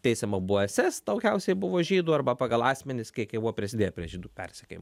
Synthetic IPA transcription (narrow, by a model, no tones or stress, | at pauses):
t̪ʲɛɪsʲɛmɐbʊʋoɛsʲɛsd̪ɐʊkʲɛʊsʲɛɪbʊʋoːʒʲiːd̪uːɐrbɐpɑɡɐlˠɑːsʲmʲɛnʲɪskʲiɛɪkɐɪbuʋopʲɾʲɪsʲɪd̪ʲeːjɛpʲɾʲiɛʒʲiːd̪uːpʲɛrʲsʲɛkʲeɪmo